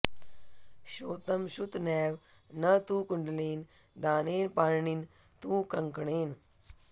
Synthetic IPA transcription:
ɕoːt̪ɐmɕut̪nɛːʋ | nɐt̪ũːkuɳɖleːn | d̪aːneːnpaːɾɳin | t̪ũːkɐŋkɳeːn

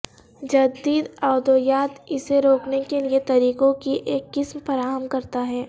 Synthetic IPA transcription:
d͡ʒɐd̪iːd̪ɔːd̪oːjaːt̪ɪseɾoːknekeliet̪ɐɾiːkõkiʔeːkːɪsmfɐɾaːɦəmkɐɾt̪aɦɛː

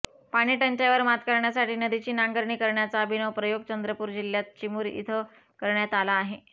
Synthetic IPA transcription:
paɽ̃iːʈəɲt͡ɕaʋəɾmat̪kəɾɳjasaʈiːnəd̪it͡ɕiːnaŋɡəɾɳiːkəɾɳjat͡saːbʱinəwpɾəjoɡ̚t͡ɕənd̪ɾəpuːɾd͡ʑilːjat̪̚t͡ɕimuːɾḭt̪ʰə | kəɾɳjat̪alaːɦe

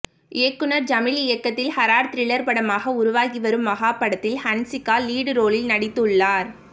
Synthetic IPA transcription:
ʔɪːkːɯnɐɾd͡ʒɐmɪɭɪjɐkːɐt̪ːɪlhɐɾaːɾt̪ɪɾɪɭɐɾpɐɽɐmaːɣɐʊɾʊʋaːɣiʋɐɾɯmːɐɣaːpːɐɽɐt̪ːɪlhɐnsɪkːaːliːɽɯɾoːɭɪlnɐɽɪt̪ːɯɭːaːɾ

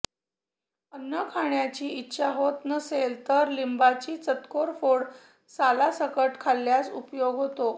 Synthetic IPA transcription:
ənːəkʰaɳjat͡ɕiːitːɕaɦot̪nəselt̪əɾlimbat͡ɕiːt͡sət̪koɾfoɽ | salasəkəʈkʰalːjasṵpjoɡɦot̪o

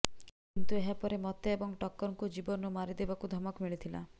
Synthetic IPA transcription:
kint̪ueɦapɔɾemɔt̪eebɔŋʈɔkːɔɾɔŋkud͡ʒibɔnɔmaɾid̪ebakud̪ʱɔmɔkmiɭit̪ʰila̰

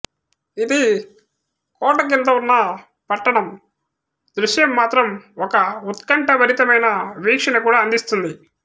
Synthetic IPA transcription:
id̪i | kɔːʈɐk̬int̪ɐunːɐ | pɐʈːɐɳɐm | d̪ɾuʂjɐmːaːt̪ɾɐmɔkɐut̪kɐɳʈɐʋɐɾit̪ɐmɐjnɐʋiːkʂɐnɐkuːɽaːɐnd̪ist̪und̪i

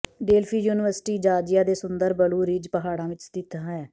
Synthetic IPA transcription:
ɖeːlpʰiːjuːnɪʋəɾsʈiːd͡ʒaːd͡ʒɪjaːd̪eːsʊnd̪əɾbəluːɾiːd͡ʒpəɦaːɽãːʋɪt͡ʃt̪ɪt̪ãːɦɛː

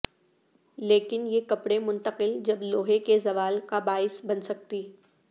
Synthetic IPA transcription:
leːkɪnjekɐpɽẽmʊ̃nt̪əqɪld͡ʒɐbloːɦekezɐʋaːlkabaːɪsbɐnsɐk̚t̪iː

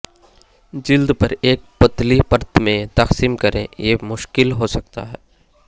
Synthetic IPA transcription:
d͡ʒɪld̪pɐɾeːk̚pɐt̪lipɐɾt̪ʰmẽt̪ɐqsiːmkɐɾḛ̃jemʊʃkɪlɦoːsɐk̚t̪a̰ɦɛː

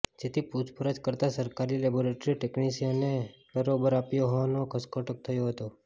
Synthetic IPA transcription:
d͡ʒet̪ʰiput͡ʃpəɾəd͡ʒkəɾt̪asəɾkaɾileboɾeʈɾiʈeknisionebəɾobəɾapjoɦoʋanokʰəskoʈək̚t̪ʰəjoɦət̪o

